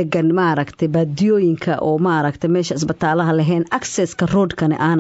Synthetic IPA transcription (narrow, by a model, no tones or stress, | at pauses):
ɛɡɐnmaɾɐkt̪ʰɛjbaːd̪ɪjɔːjɪŋkʰɐʔʔɔːmaʔɾɐkt̪ʰɛmɛːʃɐɪs̬bɐt̪ʰaːlɐɦɐlɐɦɛːnʔɐksɛskʰɐrɔːd̪kʰɐnɛ̰ʔaːn